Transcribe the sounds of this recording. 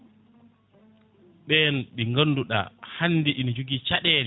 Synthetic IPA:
ɓɛnɓiŋɡanːduɗa̰hanːdiʔind͡ʒuɡit͡ʃaɗɛːnɛ

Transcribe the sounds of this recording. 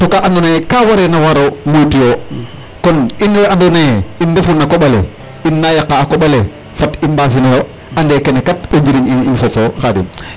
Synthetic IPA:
tokaʔandonajekawaɾenawaɾomutijo | kɔnineandonajeindefunakoɓalḛ | inːajakːaːkoɓale | fatimbas̬inejo | andekenekateɲd͡ʒiɾinininfofoxadḭn

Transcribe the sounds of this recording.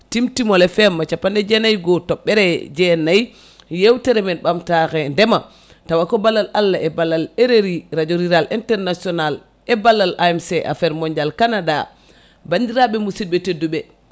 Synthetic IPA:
timtimɔlɛfɛmːat͡ʃapːandɛd͡ʒɛnajɡɔtɔɓːɛɾɛd͡ʒɛnaj | jewtɛɾɛmɛnɓamtaxɛndɛma | tawakɔbalːalalːaʔɛbalːaleɾeɾiɾad͡ʒoɾiɾalʔintɛɾnasiɔnal | ɛbalːalʔaɛmsɛʔa̰fɛɾmɔɲd͡ʒalkanada̰ | bandiɾaɓɛmusibɛtedːuɓɛ

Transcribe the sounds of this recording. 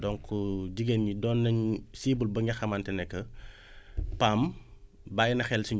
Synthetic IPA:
dɔŋkʰuɟiɡenɲidɔnːɐɲsiːbulbɐɲɐxɐmaːntɛnɛkːə | pam | bajinɐxɛlsiɲ

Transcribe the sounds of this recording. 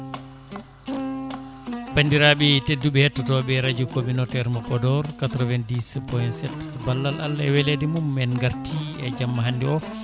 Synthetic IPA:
pandiɾaɓɛtedːuɓɛhetːutɔbɛɾad͡ʒukominɔtɛɾmapɔdɔɾkatɾɔvɛndispɔjnsɛtbalːala̰lːɛwɛledimumɛnɡaɾtʰiɛd͡ʒamːaɦandɛɔ

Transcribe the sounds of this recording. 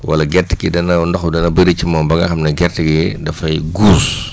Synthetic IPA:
wɐ̰lɐɡɛrtːikidɐnɐndɔxudɐnɐbɐɾit͡ʃːimɐmbɐɡɐxɐmnɐɡɛrtiɡidɐfɐjɡuːs

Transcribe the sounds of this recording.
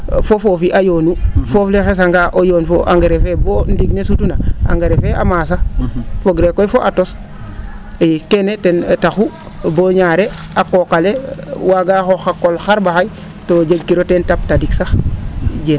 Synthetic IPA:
fofoːfiʔajoːnufoflexes̬aŋɡaʔojoːnfoʔa̰ŋɡeɾefebondiɡnesutunaa̰ŋɡeɾefea̰maːs̬afoɡɾekːojfoʔatos | jkenetentaxu | boɲaːɾe | akokalewaɡaxoxakːolxaɾbaxaj | toɟeɡ̚kːiɾotentap̚tadiksaxɟen

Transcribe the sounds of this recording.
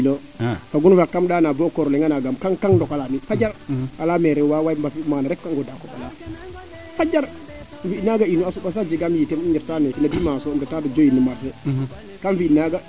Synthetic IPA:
lo | faɡunfakːamɗaːnabokoɾleŋɡanaɡamkaŋkaŋdɔkalamifad͡ʒaɾalameɾɛwawajmbafimaːnaɾɛkːaŋɡodakoɓa̰la | fad͡ʒaɾ | fiinaɡainːuasuɓas̬ad͡ʒiɡamjitemiɲiɾtanekinadimasomdatadad͡ʒojinumaɾs̬e | kamfinaɡa

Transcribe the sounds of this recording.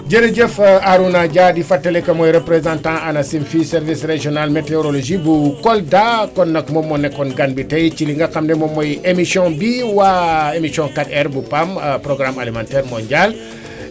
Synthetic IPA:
ɟəneɟəfaɾunaɟadifatːɐlekɐmojɾepɾezãntãanɐsimfiseɾvisreʒionalmeteoɾoloʒibukoldakonːɐkmomːonekːɔnɡanbitejt͡ʃiliŋɡɐkamnemomːojemisjɔ̃biwaemisiɔ̃ŋkatɛɾbupampɾoɡɾamalimãːntɛːɾmoɲɟal

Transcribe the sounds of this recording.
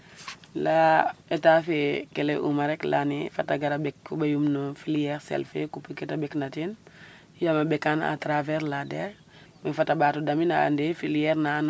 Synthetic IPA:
laetafekeleʔṵmaɾɛkla̰nifataɡaɾabɛkːubajumnofilijɛɾsɛ̰lfḛkupːuketabɛknatin | jamabɛkana̰tɾavɛɾladɛɾ | mefatabatudamina̰ːndefilijɛɾnan

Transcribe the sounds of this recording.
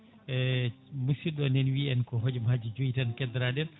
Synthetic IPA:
ɛ | musiɗɔnɛnwiɛnkɔɦod͡ʒɔmad͡ʒid͡ʒujitankɛd̪ɾaɗɛn

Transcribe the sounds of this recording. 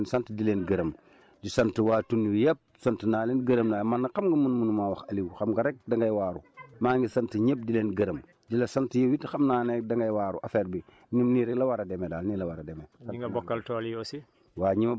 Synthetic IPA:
nsantidilenɡɐɾɐm | ɟisɐntiwaːtunːiwijep̚sɐntənaːlenɡɐɾəmnaːmanːakamɡɐmunmunumawɐxɐliwxɐmɡaɾek̚dɐŋɡajwaːɾumaːŋɡisantiɲep̚dileːnɡɐɾəm | d͡ʒilɐsantijewitxɐmnaːnedɐŋɡajwaːɾuʔafeːɾbi | nimniɾɛɡlɐwaɾademedaːlnilɐwaɾademeaɡabokːɐltoːljosi | waːɲima

